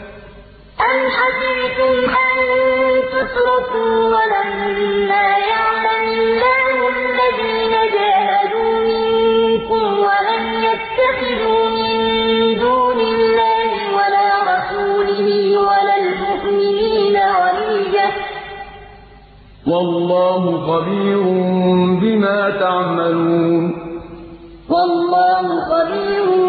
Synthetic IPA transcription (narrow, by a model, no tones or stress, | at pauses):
ʔanħasɾt̪ʊmhant̪ʊt̪ɾˤɑkuːwalammɪmːaːjaʕlamʊlːaːhʊʔalːaðiːnad͡ʒaːɦad̪uːmɪŋkʊmwalamjat̪ːaxɪd̪uːmɪnd̪uːnɪlːaːhɪwalaːɾˤɑsuːlɪhɪmwalalmʊʔmɪniːnaɣɑlɪld͡ʒa | wɑlːɑːhʊxɑbiːɾʊmbɪmaːt̪aʕmaluuːn | wɑlːɑːhʊxɑbiːɾ